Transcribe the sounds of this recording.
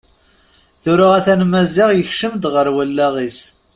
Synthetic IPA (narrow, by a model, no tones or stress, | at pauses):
θʊɾʊʁæθænmæzɪʁjəçʃəmd̪ʁəɾwəlːæʁis